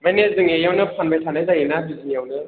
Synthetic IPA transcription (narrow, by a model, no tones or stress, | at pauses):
manezɯŋejawnɯpʰanbajtʰanazajenabizijawnɯ